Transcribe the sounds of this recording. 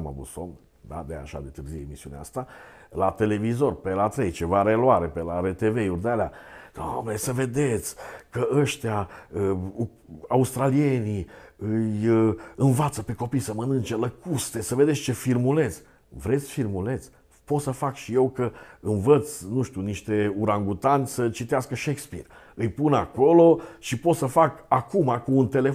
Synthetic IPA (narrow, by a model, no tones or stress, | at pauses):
ma̰vut̪som | d̪a̰d̪ea̰ʃa̰d̪e̞t̪ɨrzieemisiunea̰st̪a | lat̪e̞le̞vizo̞rpelat̪ɾe̞jt͡ʃe̞vaɾe̞loaɾe̞pelaɾet̪eve̞jurd̪ealead̪̥omnesəve̞d̪e̞t̪sʲkəʔəʃt̪eaə | aust̪ɾalie̞niɨjɨnvat̪səpe̞ko̞pijsəmənɨnt͡ʃeləkust̪e̞səve̞d̪esʲt͡ʃe̞firmule̞t̪sʲ | vɾe̞t̪sʲfirmule̞t̪sʲ | po̞t̪səfakʃije̞wkəɨnvət̪snuʃt̪uniʃt̪e̞uɾaŋɡut̪anʲsət͡ʃit̪easkəʃekspḭr | ɨjpunako̞lo̞ʃipo̞t̪səfakakumakuːnt̪e̞le̞